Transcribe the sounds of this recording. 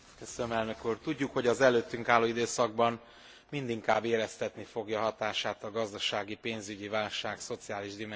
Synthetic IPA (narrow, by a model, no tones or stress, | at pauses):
køsønømɛlnø̞kuːrt̪uɟːukho̞ɟɒzɛløːt̪ːyŋkaːlːoːid̪øːsɒɡ̚bɒn | mind̪iŋkaːbeːɾɛst̪ɛt̪nifo̞ɡjɒɦɒt̪aːʃaːt̪ɒɡɒzd̪ɒʃaːɡipeːnzyɟivaːlʃaːkso̞t̪sijaːliʒd̪imɛ